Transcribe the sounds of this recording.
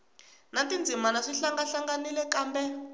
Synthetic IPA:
natind͡zʱimanaʂiɬaŋɡaɬaŋɡanilɛkaːmbɛ

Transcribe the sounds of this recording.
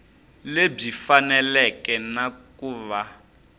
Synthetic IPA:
leb͡ʐifanɛlɛkɛnakuːβa

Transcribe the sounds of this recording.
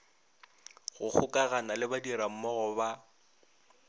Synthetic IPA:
ɣʊk͡xʰʊkʼaɣanalɪbadiɾam̩mɔɣʊba

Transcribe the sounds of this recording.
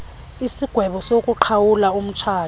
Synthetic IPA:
isiɡ̥ʱwɛɓɔsokʼuǃʰawulaum̩t͡ʃʰaː

